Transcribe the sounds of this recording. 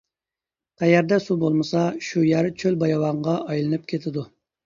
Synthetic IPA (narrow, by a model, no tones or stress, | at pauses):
q̪ʰɛjæɾd̪ɛsubolˠmɨsɑʃujæɾt͡ʃʰølbɑjɑwɑɴʁɑʔɑjlˠɨnɨp̚kʲʰet̪ʰɪd̪u